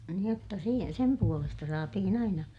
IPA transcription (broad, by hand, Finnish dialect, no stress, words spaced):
nĭ otːɑ si sem puolestɑ sɑːtihin ɑinɑ